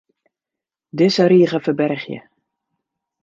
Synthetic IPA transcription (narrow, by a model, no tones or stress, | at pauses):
dɪsəɾiːəɣəfəbɛrχjə̰